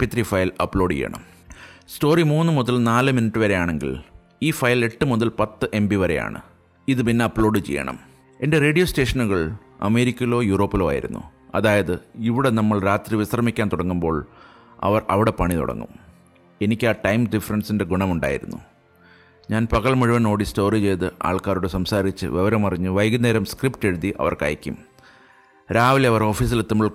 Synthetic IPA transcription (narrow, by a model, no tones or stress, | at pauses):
pit̪ːrifɐjlɐpːɭo̞ːɖt͡ɕḛjːɐ̰ɳɐ̰m | sto̞ːrimuːnːɨmuðɐlnaːlɨminiʈːɨʋɐɾe̞jaːɳe̞ŋɡḭl | iːfɐjle̞ʈːɨmuðɐlpɐt̪ːɨʔe̞mbiʋɐɾe̞ja̰ːɳɨ̰ | iðɨpinːeɐpːɭo̞ːɖɨt͡ɕḛjːɐ̰ɳɐ̰m | e̞ndere̞ːɖijo̞ːste̞ːʂɐnuɣɐɭ | ɐ̰me̞ːɾikʲːɐlo̞ːjuro̞ːpːilo̞ːa̰ːjḭɾṵnːṵɐ̰ðaːjɐðɨiʋiɽe̞nɐmːɐɭɾaːt̪riʋisrɐmikʲːaːnt̪uɽɐŋːumbo̞ːɭ | ɐ̰ʋɐrɐʋiɽe̞pɐɳit̪ṵɽɐ̰ŋːṵm | e̞nikʲːaːʈɐjmɖifɐrɐnsinde̞ɡuɳɐmuɳɖa̰ːjḭɾṵnːṵ | ɲaːnpɐɣɐɭmɐɻuʋɐno̞ːɽisto̞ːrit͡ɕe̞jt̪ɨʔa̰ːɭkaːɾuɽesɐmsaːɾit͡ɕːɨ̰ʋeʋɐɾɐmɐrɐɲːɨʋɐjɡɐneːɾɐmskripʈe̞ɻuðiʔɐ̰ʋɐ̰rkɐ̰jɐkʲːṵm | ɾaːʋileɐʋɐro̞ːfiːs̬ilet̪ːumɐɭ